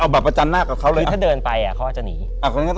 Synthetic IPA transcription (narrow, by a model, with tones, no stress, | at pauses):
ʔa˧wbɛː˨˩pːa˧t͡ɕa˧nːaː˥˩ka˨˩kʰa˦˥wlɤː˧aː˥˩dɤː˧npa˧jʔa˨˩kʰa˦˥wʔaː˨˩t͡ɕa˨˩niː˩˦ʔaː˨˩kʰo˧nka˥˩t̪